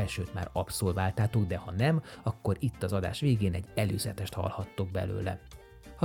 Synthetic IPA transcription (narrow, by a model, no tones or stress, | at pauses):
ɛlʃøːt̪ma̰ːɾɒpsoːlvaːlt̪aːt̪oɡd̪ɛhɒnɛmɒkːo̞ɾit̪ːɒzɒd̪a̰ːʃʋeːɡeːnɛɟːɛløːzɛt̪ɛʃt̪hɒ̰lhɒt̪ːoɡ̚bɛ̰lø̰ːlɛ̰ | hɒ